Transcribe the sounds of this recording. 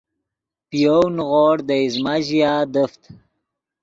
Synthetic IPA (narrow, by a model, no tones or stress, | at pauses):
pijownɣoɽd̪əizmaʑijaːd̪əft̪